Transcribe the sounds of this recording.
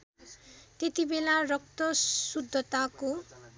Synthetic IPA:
t̪et̪ibelarʌk̚t̪ʌsud̪ʱːʌt̪ako

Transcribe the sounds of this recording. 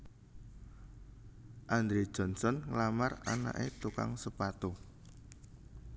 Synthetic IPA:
ʔand̪ɾed̥ʒ̥ɔ̤nsɔnŋlamarana̰ʔet̪uka̰ŋsəpat̪o

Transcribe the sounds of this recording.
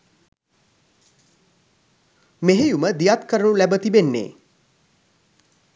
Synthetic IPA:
meɦejuməd̪ijat̪kəɾəɳulæbət̪ibenːḛː

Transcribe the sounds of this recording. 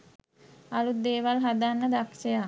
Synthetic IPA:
alut̪̚d̪eːʋalɦad̪anːəd̪akʃeja

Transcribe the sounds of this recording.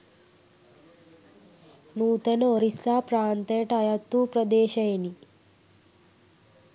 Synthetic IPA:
nuːt̪enoɾisapɾaːnt̪eʈajɐt̪ːupɾɐd̪eːʃɐjeni

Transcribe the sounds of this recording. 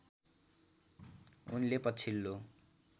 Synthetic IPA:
unlepʌt͡sʰilːo

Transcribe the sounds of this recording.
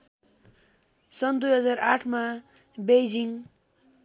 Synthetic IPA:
sʌnd̪ujɦʌd͡zaraʈʰmabejd͡ziŋ

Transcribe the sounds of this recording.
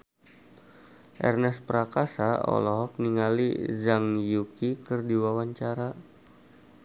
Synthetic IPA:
ʔɛ̰rnɛspəɾakasaɔ̰lɔɦɔk̚niŋalḭzaŋjukikərdiwawaɲt͡ʃaɾa

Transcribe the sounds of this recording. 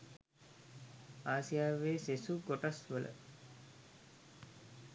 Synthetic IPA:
aːsijaːʋeːsesuɡoʈasʋələ̰

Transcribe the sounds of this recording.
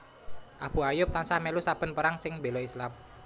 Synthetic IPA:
ʔab̥ṳajʊp̚t̪ansamelusab̥ə̤npəɾaŋsɪŋbe̤loislam

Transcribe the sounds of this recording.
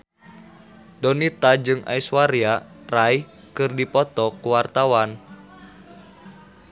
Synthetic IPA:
dɔnit̪ad͡ʒɨŋa̰iswaɾia | rai | kɨrdipɔt̪ɔkuwart̪awan

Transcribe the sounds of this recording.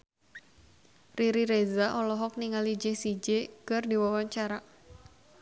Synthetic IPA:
riɾiɾezaʔɔlɔɦɔk̚niŋalid͡ʒesid͡ʒekɨrdiwawaɲt͡ʃaɾa

